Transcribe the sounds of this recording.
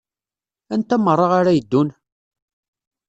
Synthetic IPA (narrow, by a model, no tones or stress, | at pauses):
ænt̪æmərˤːɑʁaɾajəd̪ːun